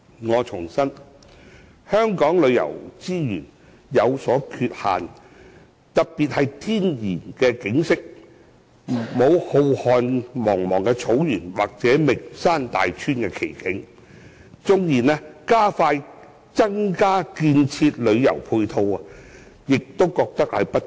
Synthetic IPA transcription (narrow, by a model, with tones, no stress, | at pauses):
ŋɔː˨˧t͡sʰʊ˨˩ŋsɐ˥n | hœː˥ŋkɔː˨˥ŋlɵ˨˧ɥjɐ̰˨˩wt͡siː˥jy̰ː˨˩n | jɐ˨˧wsɔː˨˥kʰyː˧t̚ha̰ː˨n | t̪ɐ˨k̚piː˨t̚hɐ˨jt̪ʰiː˥njiː˨˩nkɛː˧kɪ˨˥ŋsɪ˥k̚ | mo˨˧who˧whɔː˨nmɔː˨˩ŋmɔː˨˩ŋkɛː˧t͡sʰo˨˥wjyː˨˩nwaː˨˩k̚t͡sɛː˨˥mɪ˨ksaː˥nt̪a̰ː˨jt͡ʃʰyː˥nkɛː˧kʰḛ˨˩jkɪ˨˥ŋ | t͡sʊ˧ŋjiː˨˩nɛː˧kaː˥faː˧j | t͡sɐ˥ŋkaː˥kiː˧nt͡sʰiː˧t̚lɵ˨˧ɥjɐ̰˨˩wpʰuː˧jt̪ʰo˧wɐ˨ | jɪ˨k̚t̪o˥wkɔː˧k̚t̪ɐ˥k̚hɐ˨jpɐ˥t